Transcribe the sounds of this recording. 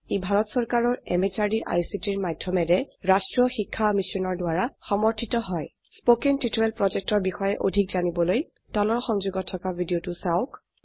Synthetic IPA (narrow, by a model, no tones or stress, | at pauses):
ebʱaɹɔtsɔɹkaɹɔɹɛ̰met͡ʃaɹdiɹʔa̰jsitiɹmadʱjɔmɛɹɛɹastɹɔxikʰːamisɔnɔɹdwaɹaxɔmɔɹtʰitɔɦɔj | spokentɹitoɹɛlpɹɔzɛk̚tɔɹbixɔjɛʔodʱikzanibɔloj | tɔlɔɹxɔŋzuɡɔtʰːɔkabʱidiotʊsaʊk